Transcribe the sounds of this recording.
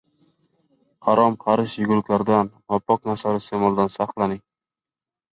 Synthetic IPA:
haɾɒmqʰɑɾɪʃjʊɡʲʊlˠɪkʲlaɾd̪anvapːɒk̚nasaɾɪsemɒlˠd̪ansɑqlˠanɪŋ

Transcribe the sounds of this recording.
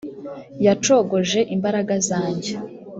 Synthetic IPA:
jat͡ʃo̞ɡo̞ʒe̞ʔimbaɾaɡazaːɲɟe̞

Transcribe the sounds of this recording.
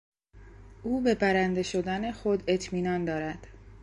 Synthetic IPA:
ʔuːbe̞bæɾænd̪e̞ʃo̞d̪æne̞xod̪e̞t̪ʰmiːnɒːnd̪ɒːɾæd̪̥

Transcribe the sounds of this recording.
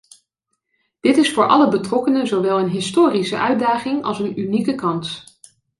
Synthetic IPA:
d̥ɪtɪsfʊːɹʔɑ̰ləbətrɔkənəzoʋɛlˠənɦɪstoːrisəʔœɥdaːχɪŋɑ̰lˠsənynikəkɑns

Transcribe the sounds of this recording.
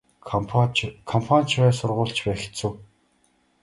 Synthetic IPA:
kʰɔmpʰanʲt͡ɕpæːsʊrʁʊːɬt͡ɕpæːxt͡suː

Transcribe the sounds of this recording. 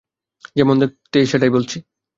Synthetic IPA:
d͡ʑemond̪et̪ejʃeʈajbolt͡ɕʰi

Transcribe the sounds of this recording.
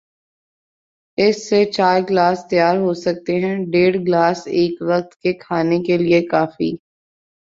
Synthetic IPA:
ɪsːet͡ʃaːɾɡlaːst̪ɪjaːɾɦoːsɐk̚t̪eɦɛ̃ɖeːɽɡlaːseːkʋɐkt̪kekʰaːnekeliekaːfḭː

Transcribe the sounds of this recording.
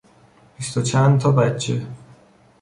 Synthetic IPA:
b̥ist̪ot͡ʃʰænd̪t̪ʰɒːbæt͡ʃʰːe̞̰

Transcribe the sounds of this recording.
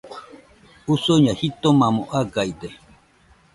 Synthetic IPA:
usoɲahit̪omamoʔaɡaid̪e

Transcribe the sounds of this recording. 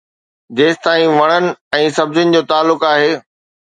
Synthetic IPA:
d͡ʑeːst̪aːĩʋɐɽ̃ənɪ̆ɛ̃ːsɐbzənɪ̆d͡ʑoːt̪aːlːʊkaːɦeː

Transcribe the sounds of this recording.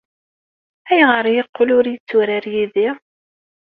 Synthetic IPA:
æjʁəɾˤjəqːʊlʊɾjət͡sːʊɾaɾjiði

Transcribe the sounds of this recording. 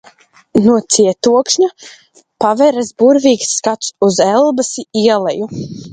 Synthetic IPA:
nuɔt̪siɛt̪uɔkʃɲa | pavɛɾazbuɾviːksːkat̪suzɛlˠbasiiɛlˠɛju

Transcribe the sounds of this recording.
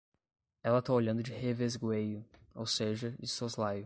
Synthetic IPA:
ɛlɐt̪aoʎɐ̃nd̪ʊd͡ʒɪhevezɡwejʊowseʒɐd͡ʒɪsozlajʊ

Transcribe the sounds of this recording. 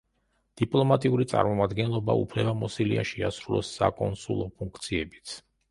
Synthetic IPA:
d̪̥ipʼlˠɔmat̪ʼiuɾit̪sʼa̰ɾmɔmad̪ɡɛnlˠɔba̰upʰlɛbamɔsiliaʃiasɾulˠɔ̰sːa̰kʼɔnsulˠɔpʰuŋkʰt̪sʰiɛbit̪sʰ

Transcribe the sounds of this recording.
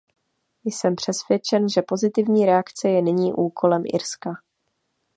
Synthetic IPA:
jsɛmpr̝̥ɛsvjɛt͡ʃɛnʒɛpo̞zɪt̪ɪvɲiːɾɛakt͡sɛjɛnɪɲiːʔuːkʰo̞lɛmʔɪ̰ɾska

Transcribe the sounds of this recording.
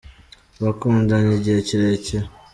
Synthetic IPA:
βakuːndaneɟeciɾece

